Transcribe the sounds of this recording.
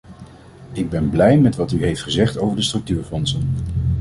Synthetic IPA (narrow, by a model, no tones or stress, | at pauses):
ɪɡ̚bɛnblɛjmɛtʋɑtyɦejftχəzɛχtowvəɹdəstrɵk̚tyːɹfɔnsən